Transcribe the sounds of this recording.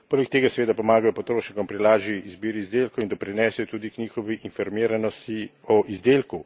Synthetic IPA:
poːlɛk̚t̪eːɡasɛʋeːd̪apɔmaːɡajɔpɔt̪ɾoːʃnikɔmpɾilaːʒiizbiːɾiːzd̪eːlkɔwind̪ɔpɾinɛːsɛjɔt̪uːd̪ikɲiːxɔʋiʔinfɔɾmiːɾanɔst̪i | ɔʔizd̪eːlku

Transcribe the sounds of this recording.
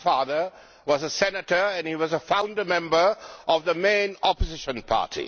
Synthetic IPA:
fɑːðə˞ | wʌzəsɛnətə˞ɨ̃nhiwʌzəfãʊ̃ndəmɛ̃mbə˞ʔʌvðəmẽɪ̃nɔpəzɪʃə̃npʰɑ̰ːˑtʰḭ

